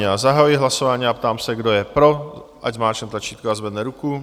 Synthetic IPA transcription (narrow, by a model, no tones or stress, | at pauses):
azaɦajujɪɦlasovaːɲiːapt̪aːmsɛɡdojɛpɾo̞ʔacmaːt͡ʃɛnt̪lat͡ʃiːt̪koazvɛd̪nɛɾuku